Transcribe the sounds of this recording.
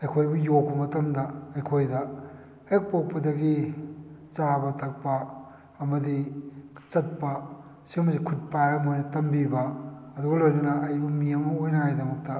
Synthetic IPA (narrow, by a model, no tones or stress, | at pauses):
ɐjkʰojbujok̚pɐmɐtɐmdɐɐjkʰojdɐ | hek̚pok̚pɐdɐɡi | t͡ʃabɐtʰɐk̚pɐ | ɐmɐdit͡ʃɐt̚pɐ | simɐzikʰut̚pajɾɐmojnɐtɐmbibɐɐduɡɐlojnɐnɐːjbɐmiɐmɐojnɐajdɐmɐk̚tɐ